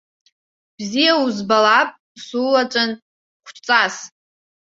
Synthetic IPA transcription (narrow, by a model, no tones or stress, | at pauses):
b̥zijauzbalapʼ | sulat͡ʃʷʼan | χʷʰt͡sʼas